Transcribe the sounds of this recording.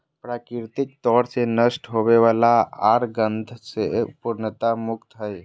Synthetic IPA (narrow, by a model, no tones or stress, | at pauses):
pɾaːkɾɪɾt̪ɪk̚t̪ɔːɾsenəsʈɦobeʋaːlaaːɾɡə̃nd̪ʱsepuɾnət̪amʊkt̪ɦəj